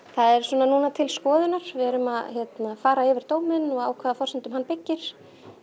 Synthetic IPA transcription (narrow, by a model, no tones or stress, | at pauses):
θaðɛɾ̥sɔːnanuːnat̪ʰɪlskɔːðɪnaɾ̥vɛɛɾʏmaðçjɛt̪nafaːɾaɪːvɪɾ̥t̪oːwmɪnɔɣaːwkʰvɛːðafɔr̥sɛnt̪ʏmɦanːpɪcːɪɾ̥